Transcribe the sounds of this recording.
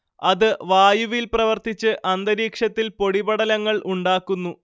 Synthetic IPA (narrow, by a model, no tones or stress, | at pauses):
ɐðɨʋaːjuʋilprɐʋɐrt̪it͡ɕːɨʔʔɐnd̪ɐɾiːkʂɐt̪ːilpo̞ɽibɐɽɐlɐŋːɐɭʔuɳɖaːkːunːu